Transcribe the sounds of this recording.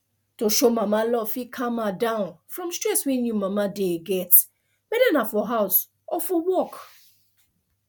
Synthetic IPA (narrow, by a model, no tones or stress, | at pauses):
toʃomamalɔfikʰãmadãʊ̃nfɹɔ̃mstɹɛswɛ̃njumamadeɡɛt | mɛdanafɔɦaʊs | ʔɔfɔwɔk